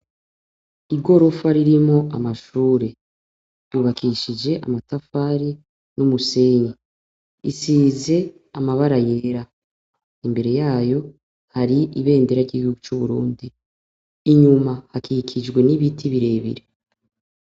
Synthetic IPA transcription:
iɡo̞ɾo̞faɾiɾimŋo̞amaʃuːɾe̞ | juβakiːʃid͡ʒe̞ʔa̰matafaːɾi | numuse̞ːɲe | ḭsize̞ | amaβaɾaje̞ːɾa | imbe̞ɾe̞jaːjo̞ | haɾiʔiβe̞ːnde̞ɾaɾɟiɡihuɡut͡ʃuβuɾuːndi | iɲumahakʰikʰid͡ʒɡwe̞niβitʰiβiɾe̞ːβḭɾe

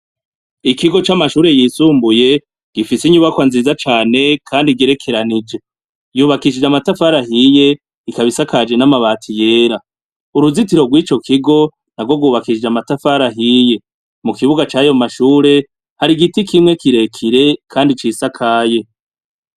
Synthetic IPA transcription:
ikiɡo̞t͡ʃamaʃuːɾe̞jiːsuːmbuje̞ | ɡ̥ifisiɲuβakwanzizat͡ʃaːne̞kʰaːndiɡe̞ɾe̞kʰe̞ɾanid͡ʒe̞ | juːβakiʃid͡ʒamatafaɾaɦije̞ | ikaβisakad͡ʒe̞namaβaːtʰije̞ːɾa | uɾuzitiɾo̞ɡwit͡ʃo̞kʰiɡo̞ | naɡwo̞ɡwuːβakiʃid͡ʒamatafaɾaɦiːje̞ | mukiβuɡat͡ʃaːjo̞maʃuːɾe̞ | haɾiɡitikimŋe̞kiɾe̞kʰiɾe̞kʰaːndit͡ʃisakʰaːje̞

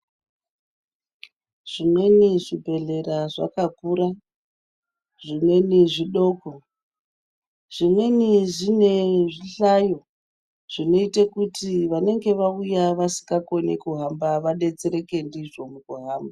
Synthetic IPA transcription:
ʐ̥imwe̞niʐibʱe̞ɮe̞ɾaʐa̰kakuɾa | ʐimwe̞niʐiɗo̞ːko | ʐ̥imwe̞niʐine̞ʐiɬajo̞ | ʐ̥ino̞itekutiʋane̞ŋɡe̞ʋaujaʋasi̥ŋɡako̞nekuɦambaʋaɗe̞t͡seɾe̞ke̞ndiʐo̞mukuɦaːmba

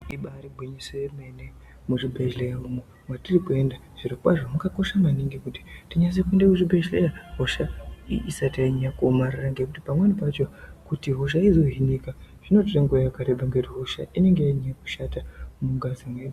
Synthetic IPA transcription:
iɓaːɾiɡʱwiɲisejeme̞ne | muʐibʱeʒlejaumo | mwatirikue̞nda | ʐ̥irokwaʐomukako̞ʃamaniŋɡekuti̥tiɲas̬ekue̞ndekuʐibʱed͡ʒlejaɦoʃaiisatiaiɲakomariraŋɡe̞kutipamwenipat͡ʃokutiɦoʃ̬aizo̞ɦinikaʐ̥ino̞tireŋɡojakaɾeɓaŋɡetiɦo̞ʃaʔine̞ŋɡejaiɲaku̥ʃatamuɡazimweɓ

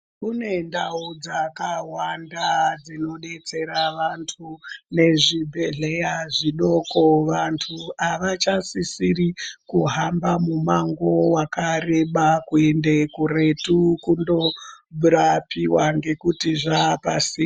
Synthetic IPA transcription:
kune̞ndaud͡zakawandad͡zino̞ɗe̞t͡se̞ɾaʋantʰune̞ʐibʱeɮe̞jaʐiɗo̞koʋantʰuaʋat͡ʃasisirikuɦambamumaŋɡo̞wakare̞ɓakuende̞kure̞tukundo̞buɾapiwaŋɡe̞kutiʐapasi

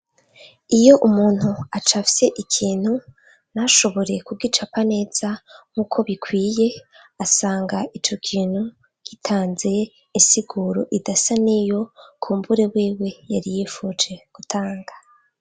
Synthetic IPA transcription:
ijo̞ʔumuːn̥huat͡ʃafi̥se̞ʔikʰiːn̥hu | naʃo̞βo̞ɾe̞kuɡit͡ʃapane̞ːz̥aŋ̥ukʰo̞βikʰwiːje̞ | asaːŋɡaʔit͡ʃo̞kʰiːn̥hu | ɡ̥itʰaːnze̞ | insiɡuɾo̞̰ʔidasanijo̞kʰuːmbuɾe̞wiːwe̞jaɾijifut͡ʃe̞ɡ̥utʰaːŋɡḁ

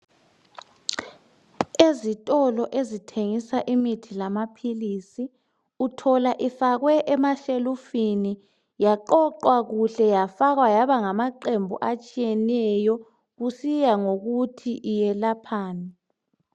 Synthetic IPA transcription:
ezitʼɔlɔʔezitʰeŋisaʔimitʰilamapʰilisi | utʰɔlaʔifaɣwɛʔɛmaʃelufini | jaǃɔǃwaɣuɬɛjafaɣwajaβaŋamaǃembʱṵʔat͡ʃʼijɛnɛjɔ | ɣusijaŋoɣutʰiʔijɛlapʰaːna

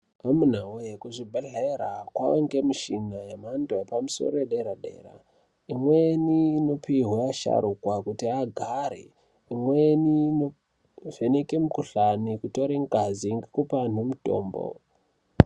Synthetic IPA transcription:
amun̤aujekuʐibʱaɮaeɾakwaŋɡe̞miʃinajemandojepamuso̞̰ɾoeɗeɾaɗḛːɾa̰ | imweniːno̞piɦwaaʃa̰ɾukwakutiaɡʱaɾḛ | imwenino | ʐenekemukuɬanikuto̞ɾeŋɡaziŋɡekupan̤umuto̞̰ːmbo̰

